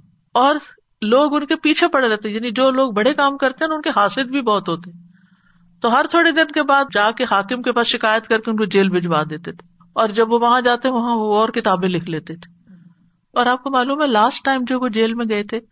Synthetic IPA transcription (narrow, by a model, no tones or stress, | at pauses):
ɔːɾ | loːɡʊnkepiːt͡ʃʰepɐɽɾɛɦt̪eɛjaːnid͡ʒoːloːɡ̚bɐɽekaːmkɐɾt̪eɦɛ̃nʊnkeɦaːsɪd̪bʱibɔːt̪ɦoːt̪eɦɛ̃ː | t̪oɦɐɾt̪ʰoːɽed̪ɪnkebaːd̪̚d͡ʒaːkeɦaːkɪmkepaːsʃɪkaːjət̪kɐɾkeʊnkod͡ʒeːlbʱɪd͡ʒʋad̪eːt̪et̪ʰe̥ | ɔːɾd͡ʒɐbʋoʋɐɦãd͡ʒaːt̪eɦɛ̃ʋɐɦãoɔːɾkɪt̪aːbẽlɪkʰleːt̪et̪ʰe̥ | ɔːɾaːp̚komaːluːmɦɛlaːsʈːaːɪmd͡ʒoːkod͡ʒeːlmẽɡɐet̪ʰeː